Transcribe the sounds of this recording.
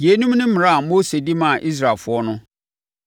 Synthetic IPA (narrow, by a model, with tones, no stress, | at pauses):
je˨˦nũ˦m˦nɪ̃˦m̩˦m̃˨ɾa˦a˨mo˦se˨di˦mã˦˨ʔi˦s̬ɾa˨lfʊ˦ɔ˦nʊ̃˦